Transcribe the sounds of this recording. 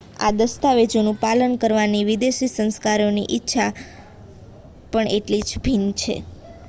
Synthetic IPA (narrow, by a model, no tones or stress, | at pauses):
a̰d̪əst̪aʋed͡ʒonũpalənkəɾʋaniʋid̪eʃisə̃nskaɾonḭʔɪtːʃʰa | pəɳʔeʈlid͡ʒbʱint͡ʃʰḛ